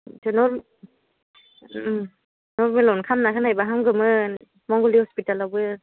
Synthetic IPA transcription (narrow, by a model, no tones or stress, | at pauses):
tʰɯnɔɾ | nɔɾmɯlawnkʰamnakʰɯnajbaɦaŋɡɯmɯ | mɔŋɡɔlihɔspitalawbɯ